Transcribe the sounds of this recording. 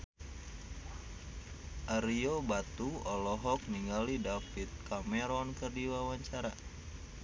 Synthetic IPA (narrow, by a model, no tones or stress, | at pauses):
ʔaɾiobat̪uɔlɔɦɔk̚niŋɡalidafit̪̚kamɛɾɔnkərdiwawaɲt͡ʃaɾa